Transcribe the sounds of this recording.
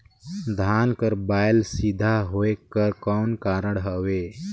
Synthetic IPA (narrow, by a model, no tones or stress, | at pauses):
d̪ʱaːnkəɾbaːɪlsid̪ʱaɦoːekəɾkɔːnkaːɾəɽɦəʋeː